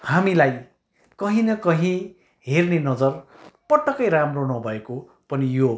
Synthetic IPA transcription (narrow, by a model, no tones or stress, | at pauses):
hamilaj | kʌɦĩnʌkʌɦĩ | ɦernenʌd͡zʌr | pʌʈːʌkʌjɾamronʌbʱʌeko | pʌnijo